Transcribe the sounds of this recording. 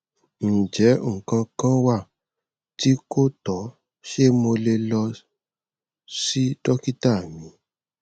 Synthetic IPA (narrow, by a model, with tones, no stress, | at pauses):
n̩˨d͡ʒɛ˨˦˨kã˧kã˦wa˦˨ | ti˦ko˦tɔ˨˦ | ʃe˦mo˧le˧lɔ˧ | si˦dɔ˦ki˦ta˦˨mĩ˨˦